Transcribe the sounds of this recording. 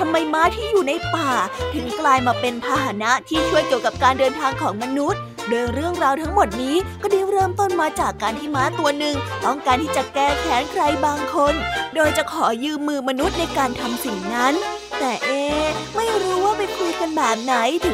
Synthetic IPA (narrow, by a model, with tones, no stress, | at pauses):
t̪ʰa˧mːa˧jmaː˦˥t̪ʰiː˥˩juː˨˩na˧jpaː˨˩t̪ʰɯ˨˩˦ŋklaː˧jmaː˧pe˧np̪ʰaː˧ɦa˨˩˦na˦˥t̪ʰiː˥˩t͡ɕʰu˥˩əjki˨˩əwka˨˩p̚kaː˧ndɤː˧nt̪ʰaː˧ŋkʰɔː˩˦ŋma˧nu˦˥t̪̚ | doː˧jɾɯ˥˩əŋɾaː˧wt̪ʰa˦˥ŋmo˨˩t̪̚niː˦˥kɔː˥˩diː˧ɾɤː˥˩mt̪o˥˩nmaː˧t͡ɕaː˨˩kːaː˧nt̪ʰiː˥˩maː˦˥t̪u˧ɐnɯ˨˩ŋt̪ɔː˥˩ŋkaː˧nt̪ʰiː˥˩t͡ɕa˨˩kɛː˥˩kʰɛː˩˦nkʰɾa˧jbaː˧ŋkʰo˧ndoː˧jt͡ɕa˨˩kʰɔː˩˦jɯː˧mːɯː˧ma˧nu˦˥t̪̚na˧jkaː˧nt̪ʰa˧msi˨˩ŋna˦˥n | t̪ɛː˨˩ʔeː˧ma˥˩jɾuː˦˥waː˥˩pa˧jkʰɾu˧ka˧nbɛː˨˩p̚na˩˦jt̪ʰɯ˩˦